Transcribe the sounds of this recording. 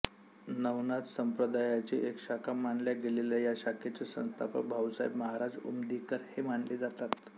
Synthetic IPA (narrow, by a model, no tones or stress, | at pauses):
nəwnat̪səmpɾəd̪ajat͡ɕiʔekɕakʰamaɳljaɡelelajaɕakʰet͡ɕesə̰̃st̪a̰pə̰k̚bʱawsajḭbməɦaɾad͡zṵmd̪ikəɾhemaɳled͡zat̪at̪